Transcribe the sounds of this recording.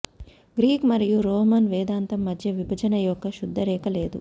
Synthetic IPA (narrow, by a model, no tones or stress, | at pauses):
ɡɾiːkmɐɾijuɾɔːmɐnʋɛːd̪aːnt̪ɐmːɐd̪ʱjɐʋibʱɐd͡ʒɐnɐjɔkːɐʃud̪ʱːɐɾɛːkɐleːd̪u